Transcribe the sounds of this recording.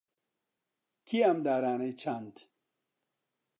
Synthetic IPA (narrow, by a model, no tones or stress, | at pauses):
kʰiamd̪aːɾaːnejt͡ʃʰant̪